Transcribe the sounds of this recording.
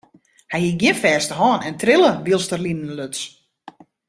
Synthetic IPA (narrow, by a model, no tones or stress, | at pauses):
hɛjhiɡjɪnfɛːstəɦɔːnɛntrɪlˠəʋilˠstərlinənløts